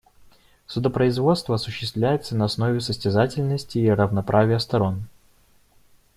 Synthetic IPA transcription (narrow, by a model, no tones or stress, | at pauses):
səd̪əpɾəɪzvo̞t̪st̪vəɐsʊɕːɪst̪vlʲæjɪt̪sənəɐsno̞vʲɪsəsʲtʲɪzatʲɪlʲnəsʲtʲɪːrəvnɐpɾʔavʲɪjəst̪ɐɾo̞n